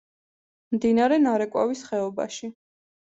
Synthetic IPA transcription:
md̪inaɾɛnaɾɛkʼwa̰visχɛɔba̰ʃi

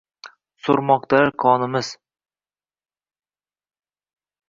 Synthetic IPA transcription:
soɾmɒq̚t̪ʰalaɾkʰɒnɪmɪz̥

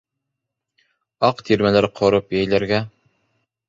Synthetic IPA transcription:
ɑqt̪ʰiɾmælæɾqʰŏɾɤpjæjlæɾɡæ

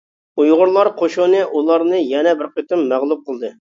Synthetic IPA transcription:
ujʁʊɾlˠɑɾqʰoʃonɨʔulˠɑɾnɨjɛnɛbɪɾqət̪ɨmːæʁlˠup̚qʰəlˠd̪ɨ

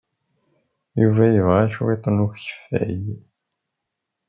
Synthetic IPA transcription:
juvæjəvʁæʃuet̪ˤːənuççə̥fæ̰j

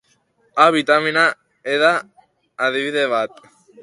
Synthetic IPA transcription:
aβit̪amina | eðaː | ðiβiðeβat̪

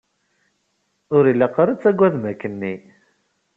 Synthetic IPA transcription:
ʊɾilːæqːəɾət͡sːæɡʷːæðmækːənːi

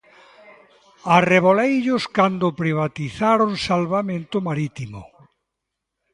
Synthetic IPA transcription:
areβolejʎʊskand̪ʊpɾiβ̞at̪iθaɾʊnsalβamẽnt̪ʊmaɾit̪imʊ̰

